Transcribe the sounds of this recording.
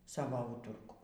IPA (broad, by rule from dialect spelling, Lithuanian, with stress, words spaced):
ˈsɑːʋoː ˈuːtʊrkʊ